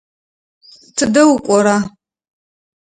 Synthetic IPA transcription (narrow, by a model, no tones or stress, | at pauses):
tʰɨdɐwʊkʷʼɔɾaː